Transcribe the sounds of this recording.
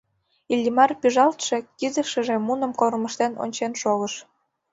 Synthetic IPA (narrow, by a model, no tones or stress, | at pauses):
ilʲːimɑrpyʒɑlt̪ʃe̽kizəʃə̆ʒemunə̆mkorməʃt̪eno̰nʲt͡ɕenʃoɣəʃ